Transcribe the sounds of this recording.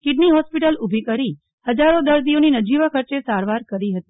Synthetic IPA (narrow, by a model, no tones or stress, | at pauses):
kɪɖniɦɔspiʈəlʊbʱikəɾi | həd͡ʒaɾod̪əɾd̪ioninəd͡ʒiʋakʰəɾt͡ʃesaɾʋaɾkəɾiɦət̪i̥